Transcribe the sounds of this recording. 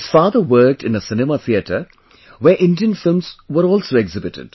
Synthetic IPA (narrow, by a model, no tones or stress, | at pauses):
ɪz̥faːd̪əʋəɾk̚ʈɪ̃nəsɪnɪmat̪ʰiəʈʰə | ʋeɾʔɪ̃nɖiə̃nfɪlmz̥ʋəɾɔːlsoːɛɡzɪbɪʈɪ̰ɖ̥